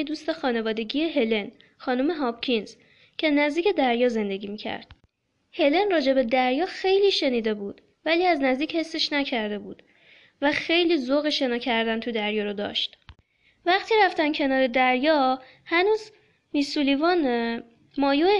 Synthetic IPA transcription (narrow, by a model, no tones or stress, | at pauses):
ed̪uːst̪exɒːne̞vɒːd̪eɟijeɦe̞le̞n | xɒːnome̞ɦɒb̥cʰinz̥ | cʰe̞næzd̪iːcʰe̞d̪æɾjɒːze̞nd̪e̞ɡiːmiːcʰæ̰ɾd̪̥ | he̞le̞nrɒːd͡ʒe̞be̞d̪æɾjɒːxe̞jliːʃe̞niːd̪e̞buːd̪̥ | væliːæznæzd̪iːche̞sːeʃnæcʰæɾd̪e̞bṵːd̪̥ | væxe̞jliːzoɣeʃe̞nɒːcʰæɾd̪ænt̪ʰud̪æɾjɒːɾod̪ɒ̰ːʃt̪ | væχt̪ʰiːɾæft̪æncʰe̞nɒːɾe̞d̪æɾjɒː | hænuːz | misulivɒn | mɒːjo